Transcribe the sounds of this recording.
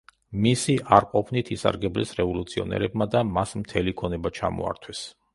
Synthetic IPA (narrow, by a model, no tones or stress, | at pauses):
misiʔaɾqʼɔpʰnit̪ʰisa̰ɾɡɛblɛ̰sɾɛvɔlut̪sʰiɔnɛ̰ɾɛbmad̪amasmt̪ʰɛlikʰɔnɛbat͡ʃʰa̰mɔ̰a̰ɾt̪ʰwɛs